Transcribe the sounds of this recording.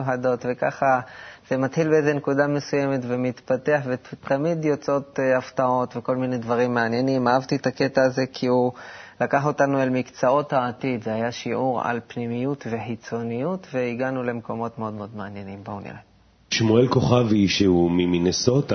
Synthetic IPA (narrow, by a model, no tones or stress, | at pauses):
uħado̞tve̞kaχaz̥e̞mat̪ħilbeeze̞nekudame̞suje̞me̞tvemit̪pate̞aħvetamidjo̞t͡so̞t̪aft̪ao̞t̪ve̞ko̞lmine̞dvaʁimːeanje̞nimaavt̪iet̪ake̞t̪aːze̞kʰiulakaħo̞tanuelmikt͡sao̞thaːt̪id̪zehajaʃiʔuʁa̰lpnimijutve̞ħit͡so̞nijutve̞iɡanule̞mko̞mo̞tmeo̞d̪mod̪meanje̞nimbaṵnja̰ | ʃmuelko̞χavhiʃeumimineso̞t̪